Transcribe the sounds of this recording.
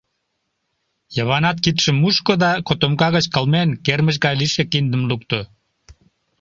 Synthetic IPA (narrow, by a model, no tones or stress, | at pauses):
jəβɑnɑt̪̚kit̪ʃəmːuʃkod̪ɑkot̪omkɑɣət͡ɕkəlmenkerməʃ̬ɡɑjliʃekind̪əmlukt̪o